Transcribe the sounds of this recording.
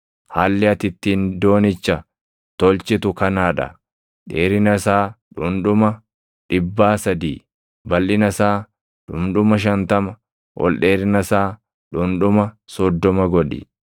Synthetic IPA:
haːlːɪɐt̪ɪt̪ːiːnd̪o̞ːnɪt͡ʃːɐ | t̪ɔlt͡ʃɪt̪ʊkɐnaːᶑɐ̰ | ᶑeːɾɪnɐsaːᶑʊnᶑʊmɐ | ᶑɪbːaːsɐd̪iː | bɐlʔɪnɐsaː | ᶑʊmᶑʊmɐʃ̬ɐnt̪ɐmɐ | wʔɔ̰lɗeːɾɪnɐsaː | ᶑʊnᶑʊmɐsɔd̪ːɔmɐɡɔᶑɪ̰

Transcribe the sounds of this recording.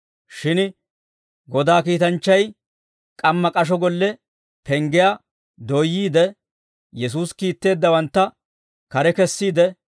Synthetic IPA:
ʃɪn | ɡɔd̪aːkiːt̪ɐnt͡ʃːɐj | kʼɐmːɐkʼɐʃ̬ɔɡɔlːɛ | pɛŋɡɪjaː | d̪ɔjːiːd̪ɛ | jɛs̬uːskiːt̪ːe̞ːd̪ːɐwɐnt̪ːɐ | kɐɾɛkɛsːiːd̪ɛ

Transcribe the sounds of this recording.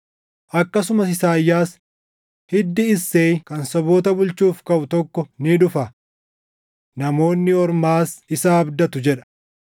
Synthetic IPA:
ʔɐkːɐs̬ʊmɐsɪsaːjːaːs | hɪd̪ːɪɪsːeːkɐnsɔboːt̪ɐbʊlt͡ʃuːfkɐʔʊt̪ɔkːɔnɪd̪ʊfɐ | nɐmo̞ːnːɪɔɾmaːsɪsaːɐbd̪ɐt̪ʊd͡ʒɛᶑɐ̥

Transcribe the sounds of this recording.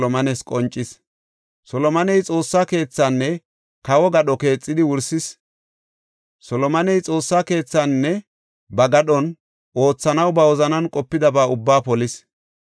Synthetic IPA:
ɔmɐnɛskʼɔnt͡ʃʼːɪs | sɔlɔmɐnɛjt͡sʼo̞ːsːaːke̞ːt͡sːanːɛ | kɐwɔɡɐɗɔke̞ːt͡sʼːɪd̪ɪwʊɾsɪs | sɔlɔmɐnɛjt͡sʼo̞ːsːaːke̞ːt͡sːanːɛ | bɐɡɐɗɔn | o̞ːt͡sːɐnɐwbɐwɔzɐnɐnkʼɔpːɪd̪ɐbaːʊbːaːpɔlɪs

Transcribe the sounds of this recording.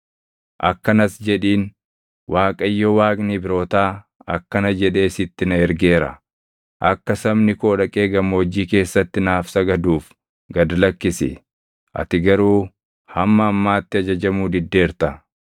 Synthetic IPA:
ʔɐkːɐnɐsd͡ʒɛᶑiːn | wʔaːkʼɐjːɔwaːkʼnɪbɪɾo̞ːt̪aː | ɐkːɐnɐd͡ʒɛᶑe̞ːsɪt̪ːɪnɐɛɾɡeːɾɐ̰ | ʔɐkːɐsɐbnɪkoːᶑɐkʼe̞ːɡɐmːɔd͡ʒiːke̞ːsːɐt̪ːɪnaːfsɐɡɐd̪uːf | ɡɐd̪ɐlɐkːɪsɪ̰ | ʔɐ̰t̪ɪɡɐɾuː | hɐmːɐːmːaːt̪ːɪɐd͡ʒɐd͡ʒɐmuːd̪ɪd̪ːe̞ːɾt̪ɐ

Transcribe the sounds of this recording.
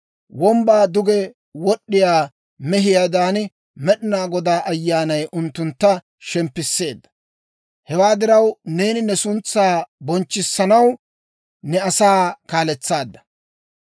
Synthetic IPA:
wɔmbaːd̪ʊɡɛ | wɔɗːɪjaː | mɛɦɪjaːd̪aːn | mɛɗɪnaːɡɔd̪aːʔɐjːaːnɐjʔʊnt̪ːʊnt̪ːɐ | ʃɛmpːɪsːe̞ːd̪ːɐ̥ | hɛwaːd̪ɪɾɐwne̞ːnɪnɛsʊnt͡sːaːbɔnt͡ʃːɪsːɐnɐw | nɛɐsaːkaːlɛt͡sːaːd̪ːɐ̥

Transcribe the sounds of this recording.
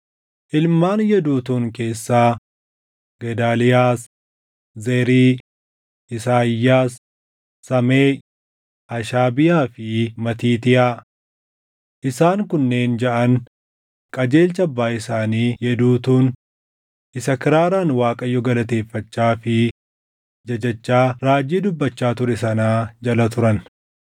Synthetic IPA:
ʔɪlmaːnjɛd̪uːt̪uːŋke̞ːsːaː | ɡɛd̪aːlɪjaːs | zɛɾiː | ɪsaːjːaːsː | ɐmeː | ɐʃaːbɪjaːfɪmɐt̪iːt̪ɪʔa | ʔɪsaːŋkʊnːe̞ːnd͡ʒɐʔɐn | kʼɐd͡ʒe̞ːlt͡ʃɐɐbːaːɪsaːniːjɛd̪uːt̪uːn | ʔɪsɐkɪɾaːɾaːnwaːkʼɐjːɔɡɐlɐt̪e̞ːfːɐt͡ʃːaːfɪ | d͡ʒɐd͡ʒɐt͡ʃːaːɾaːd͡ʒiːd̪ʊbːɐt͡ʃːaːt̪ʊɾɛsɐnaːd͡ʒɐlɐt̪ʊɾɐn

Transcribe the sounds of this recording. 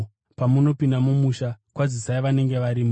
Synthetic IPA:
pamuno̞pindamumuʃakwazisaiʋane̞ŋɡe̞ʋaɾim

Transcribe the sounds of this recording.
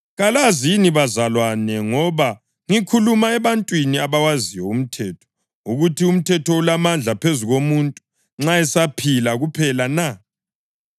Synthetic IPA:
ɣalaziniβazalwanɛŋɔβa | ŋikʰulumaɛβantʼwiniaβawaziwɔum̩tʰɛːtʰɔ̥ | uɣutʰium̩tʰɛtʰɔulamand͡ɮʱapʰezuɣomuntʼu̥ | ŋ͡ǁaɛsapʰilaɣupʰɛlana

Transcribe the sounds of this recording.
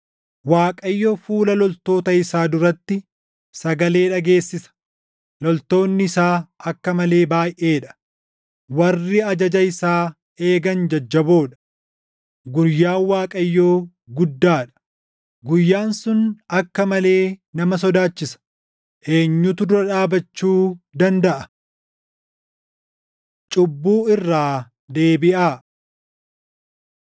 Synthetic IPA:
waːkʼɐjːoːfuːlɐlɔlt̪o̞ːt̪ɐɪsaːd̪ʊɾɐt̪ːɪ | sɐɡɐle̞ːᶑɐɡeːsːɪsɐ̥ | lɔlt̪o̞ːnːɪɪsaːɐkːɐmɐle̞ːbaːjʔe̞ːᶑɐ̥ | wɐrːɪɐd͡ʒɐd͡ʒɐɪsaː | e̞ːɡɐnd͡ʒɐd͡ʒːɐbo̞ːᶑɐ̥ | ɡʊjːaːwaːkʼɐjːoː | ɡʊd̪ːaːᶑɐ̥ | ɡʊjːaːnsʊnɐkːɐmɐle̞ːnɐmɐs̬ɔd̪aːt͡ʃːɪsɐ̥ | ʔe̞ːɲːʊt̪ʊd̪ʊɾɐᶑaːbɐt͡ʃːuːd̪ɐnd̪ɐʔɐ | t͡ʃʼʊbːuːɪrːaː | d̪e̞ːbɪʔaː

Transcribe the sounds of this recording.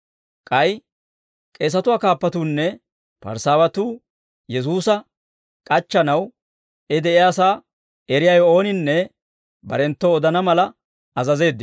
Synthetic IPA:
kʼɐj | kʼe̞ːs̬ɐt̪ʊwaːkaːpːɐt̪uːnːɛ | pɐ̰ɾsaːwɐt̪uː | jɛs̬uːsɐ | kʼɐt͡ʃːɐnɐw | ɛd̪ɛʔɪjaːsaː | ɛɾɪjɐjo̞ːnɪnːɛ | bɐ̰ɾɛnt̪ːɔːd̪ɐnɐmɐlɐ | ɐzɐze̞ːd̪ːɪ

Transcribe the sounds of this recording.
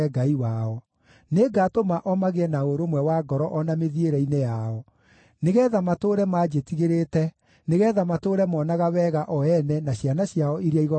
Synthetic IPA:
ɛɡaiwaɔ | neɡatomaʔɔmaɣeɛnaoɾomwɛwaɡɔɾɔʔɔnameðieɾɛinejaɔ | neɣɛːðamatoːɾɛmaːd͡ʒetiɣeɾetɛ | neɣɛðamatoɾɛmɔnaɣawɛɣaʔɔɛnɛnaɕjanaɕjaɔʔiɾiaiɣɔ

